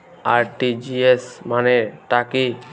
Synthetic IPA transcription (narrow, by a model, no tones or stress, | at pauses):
aɾʈid͡ʒiesmaneʈaki